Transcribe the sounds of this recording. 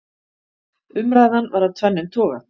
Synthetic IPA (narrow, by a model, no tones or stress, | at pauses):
ʏmɾaːjðanvaɾðat̪ʰvɛnːɪnt̪ʰɔːɣa̰